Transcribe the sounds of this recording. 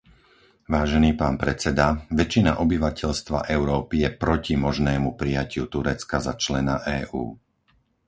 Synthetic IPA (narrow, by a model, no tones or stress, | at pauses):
ʋaːʒɛniːpaːnpɾɛt͡sɛd̪aʋɛt͡ʃːinaʔɔbiʋacɛʎst̪ʋa̰ʔɛʊɾɔːpijɛpɾɔcimɔʒnɛːmupɾijacɪut̪uɾɛt͡skazat͡ʃlɛnaʔɛːʔṵː